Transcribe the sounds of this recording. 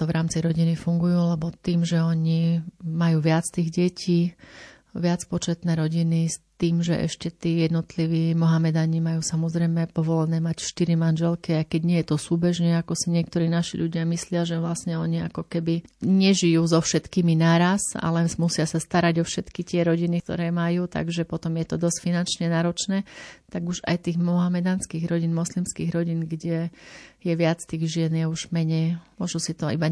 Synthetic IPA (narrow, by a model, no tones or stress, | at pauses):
t̪ɔʋɾaːmt͡siɾɔɟinifuŋɡujuːlɛbɔt̪iːmʒɛɔɲimajuːʋɪat͡st̪iːɣɟɛcʰiː | ʋɪat͡spɔt͡ʃɛt̪nɛːɾɔɟinist̪iːmʒɛʔɛ̰ʃcɛt̪iːjɛd̪nɔt̪liʋiːmɔɦamɛd̪aɲimajuːsamɔzɾɛjmɛpɔʋɔlɛnɛːmacfʃt̪iɾimanʒɛlkiajkɛɟɲɪɛjɛt̪ɔsuːbɛʒɲɛakɔsiɲɪɛk̚t̪ɔɾiːnaʃḭʎuɟɪamislɪaʒɛʋlasɲɛɔɲiakɔkɛbiɲɛʒijuːzɔfʃɛt̪kiːminaːɾasa̰lɛmusɪasast̪aɾaɟɔfʃɛt̪kit̪ɪɛɾɔɟinikt̪ɔ̰ɾɛːmajuːt̪a̰ɡʒɛpɔt̪ɔmjɛt̪ɔd̪ɔscfinant͡ʃɲɛnaːɾɔt͡ʃnɛːt̪aɡuʒa̰jt̪iːɣmɔɦamɛd̪aːnskiːɣɾɔɟinmɔslimskḭːɣɾɔɟinɡɟɛjɛʋɪat͡st̪iːɣʒɪɛnjɛuʒmɛɲɛjmʊɔʒusit̪ɔḭba